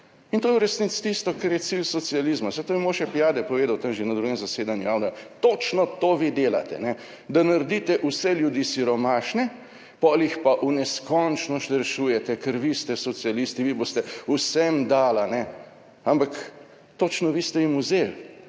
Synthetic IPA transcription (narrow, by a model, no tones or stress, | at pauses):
int̪oːjɛuɾɛsnit̪st̪ist̪ɔkɛɾjɛt̪silsɔt̪sializmasɛt̪omimoːʃɛpijaːd̪ɛpɔʋeːd̪awt̪ɐmʒenad̪ɾuɡɛmzɐseːd̪anjujaːwnɔt̪ot͡ʃnɔt̪oːʋid̪eːla̰t̪ɛ̰nɛ | d̪anaɾd̪it̪ɛʔusɛljud̪iːsiɾɔmaːʃnɛ | pɔlixpaʔunɛskɔnt͡ʃnɔʃt̪ɾɛʃuːjɛt̪ɛkəɾʋist̪ɛsɔt̪sialist̪iʋiboːst̪ɛusɛmd̪aːlanɛ | ampak | t̪ot͡ʃnɔʋiːst̪ɛimuzel